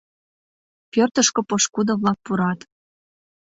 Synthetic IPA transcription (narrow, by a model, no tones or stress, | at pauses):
pørt̪əʃkŏpɤʃkud̪oβlɑk̚puɾɑt̪